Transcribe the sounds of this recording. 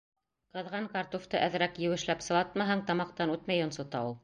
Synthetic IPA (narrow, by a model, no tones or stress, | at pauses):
qɤ̆ðʁɑɴkɑɾt̪oft̪ɤʔæð̆ɾækjɘ̆wɘ̆ʃlæpsɤ̆lˠɑt̪mɑɦɑɴt̪ɑmɑq̚t̪ɑnʉt̪mæjŏnsŏt̪ɑulˠ